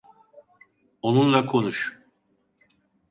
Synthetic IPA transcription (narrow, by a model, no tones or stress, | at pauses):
onunlˠakʰo̞nuʃ